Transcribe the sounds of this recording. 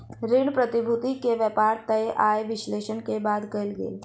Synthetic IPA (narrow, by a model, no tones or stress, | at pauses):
ɾɪɳ̃pɾət̪ibʱut̪ikeʋəpaːɾt̪ɐjʔajʋɪʃleːʃənkebaːd̪kɐjlɡḛːl